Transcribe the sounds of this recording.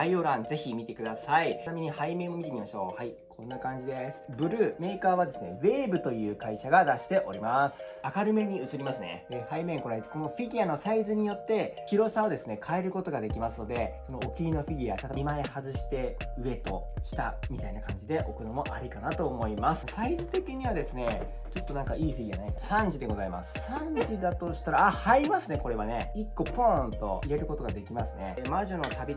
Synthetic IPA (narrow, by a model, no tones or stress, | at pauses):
aio̞ɾãnd͡ze̞çimʲit̪e̞kɯ̟d̪asaiamʲiɲ̟ihaimẽ̞ɰ̃o̞mʲit̪emʲimaɕo̞̰ːhai | kʰõ̞nːakãɲ̟d͡ʑid̪e̞sɨ̥bɯ̟ɾɯ̟ːme̞ːkaːβ̞ad̪e̞sɨne̞βe̞ːbɯ̟t̪o̞jɯ̟ːkaiɕaɡad̪aɕi̥t̪e̞ʔo̞ɾʲimasɨ̥akaɾɯ̟me̞ɲ̟iɯ̟t͡sɨɾʲimasɨnḛhaimẽ̞ŋko̞ɾeko̞no̞ɸʲiɡʲiano̞saizɨɲ̟ijo̞t̪ːe̞kʲiɾo̞ɕaod̪e̞sɨne̞kʰaeɾɯ̟ko̞t̪o̞ɡad̪e̞kʲimasɨno̞d̪e̞so̞no̞ːkʲiɾʲino̞ɸʲiɡʲiaɕat̪maehazɨɕi̥t̪e̞ɯ̟e̞t̪o̞ɕi̥t̪a̰mʲit̪ainakãɲ̟d͡ʑid̪e̞ʔo̞kɯ̟nomo̞ʔaɾʲikanat̪o̞ːmo̞imasɨ̥saizɨt̪e̞kʲiɲ̟iβad̪e̞sɨne̞ | t͡ɕo̞t̪ːo̞nãŋkaʔiːɸʲiɡʲianaeksãɲ̟d͡ʑid̪e̞ɡo̞zaima̰sɨ̥sãɲd͡ʑid̪at̪o̞ɕi̥t̪aɾaːhaimasɨne̞ko̞ɾe̞β̞ane̞ikːo̞põnt̪o̞̰iɾe̞ɾɯ̟ko̞t̪o̞ɡad̪e̞kʲimasɨne̞maʑo̞no̞t̪abʲi